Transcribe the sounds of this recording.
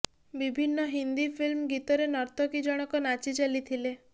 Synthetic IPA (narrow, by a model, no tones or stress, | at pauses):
bibʱinːɔɦind̪ipʰilmɡit̪ɔɾenɔɾt̪ʰɔkid͡ʒɔɽ̃ɔkɔnat͡ʃit͡ʃalit̪ʰile